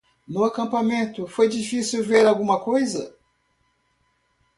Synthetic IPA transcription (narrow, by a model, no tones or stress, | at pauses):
nʊakɐ̃pamẽnt̪ʊfojd͡ʒifisiwveɾawɡũmɐkojzɐ